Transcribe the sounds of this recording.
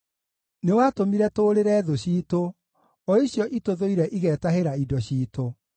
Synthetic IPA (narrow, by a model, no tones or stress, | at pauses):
newaːtomiɾɛtoːɾeɾɛːðoɕiːto | ɔiɕjɔʔitoðoiɾɛʔiɣɛːtaheɾaidɔɕiːto